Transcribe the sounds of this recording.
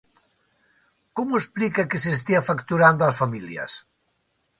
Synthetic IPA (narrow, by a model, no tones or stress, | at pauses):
komoesplikakesest̪iafakt̪uɾand̪oasfamiljɐ̰s